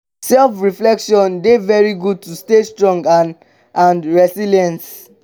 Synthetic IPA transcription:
sɛlfɹiflɛkʃɔ̃ndevɛɹiɡud̚tʰustestɹɔ̃ŋɡa | ãnɹɛsiljɛ̃ns

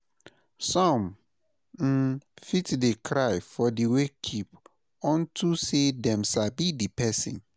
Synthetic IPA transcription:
sɔ̃m | n̩fitdekʰɾaɪfɔdiwekʰip | ɔ̃ntʰusedɛ̃msabidipʰɛsḭ̃n

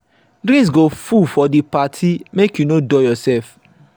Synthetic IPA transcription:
dɾĩs̬ɡofufɔdipatʰimekjunodɔjɔsɛlf

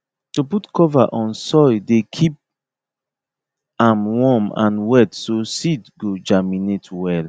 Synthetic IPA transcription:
tuputkʰɔvaʔɔ̃nsɔjdekʰip̚ | ãmwɔmã̰nwɛtsosidɡod͡ʒaminetwɛl

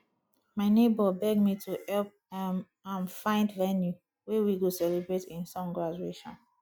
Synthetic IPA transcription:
maɪnebɔbɛɡ̚mitʰuhɛlp̚m | ãnfãɪ̃ndvɛnju | wewiɡosɛlebɹetĩnsɔ̃mɡɹad͡ʒueʃɔ̰̃n

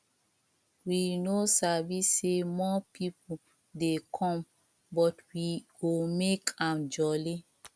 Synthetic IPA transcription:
winosavisːemɔpipu | dekʰɔ̃m | bɔtwiɡomekʰãmd͡ʒɔli

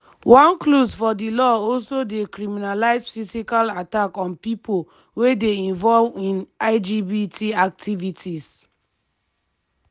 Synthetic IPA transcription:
wãnklosfɔdilɔɔlsodekɾimĩnalaɪsfisikalatakɔ̃npipʰo | wedeĩnvɔlĩnaɪd͡ʒibitʰiak̚tʰivitʰis

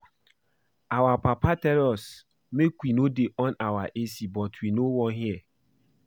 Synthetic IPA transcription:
awapapatɛɾɔs | mekwinodeʔɔnawaʔesibɔtwinowɔ̃nɦiɛ

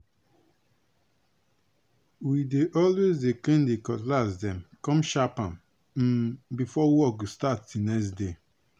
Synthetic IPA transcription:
wideʔɔlwezeklẽndekɔtlasdɛ̃mkɔ̃mʃapãm | m̩bifɔwwɔɡustatːinɛsde

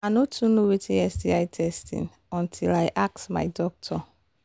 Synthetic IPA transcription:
anotʰunowetʰiɛstiajtʰɛstḭ̃n | ɔ̃ntʰilajʔak̚sma̰ɪdɔk̚tʰɔ

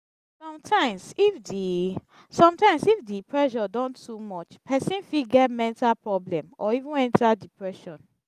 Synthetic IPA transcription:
sɔ̃mtʰãɪ̃msifdi | sɔ̃mtãɪ̃msifdipɹɛʃɔdɔ̃ntːumɔt͡ʃpʰɛsĩnfitɡɛt̚mɛ̃ntalpɹɔblɛ̃mʔɔivũnɛ̃ntʰadipɹɛʃɔ̃n

